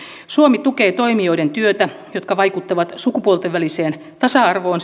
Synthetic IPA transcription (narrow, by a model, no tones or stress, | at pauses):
suomit̪ukeːt̪o̞imioident̪yøt̪æ | jot̪kɑʋɑikut̪ːɑʋɑt̪sukupuolt̪eʋʋæliseːn | t̪ɑsɑɑrʋoːn